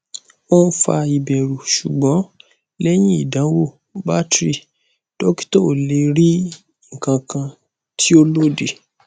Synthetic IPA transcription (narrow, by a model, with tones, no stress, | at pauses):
o˦n̩˦fa̰˧i˨bɛ˨ɾu˨ʃu˨ɡ͡bɔ̃˨˦ | lɛ˦j̃ĩ˦i˦˨dã˨˦wo˦˨˦ | ba˦tɾi˦˨ | to˦ki̥˦to˦˨le˨˧ɾi˦ | ŋ̩˨kã˧kʰã˧ | ti˦o˦lo˦de˨